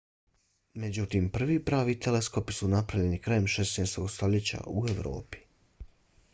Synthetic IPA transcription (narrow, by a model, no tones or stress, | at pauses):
med͡ʑut̪iːmpr̩ʋipɾaːʋiːt̪elesko̞pi̥sunapɾaʋʎe̞nikɾajemʃesnɛjst̪oɡst̪o̞ʎet͡ɕa̰ue̞ʋɾo̰ːpi̥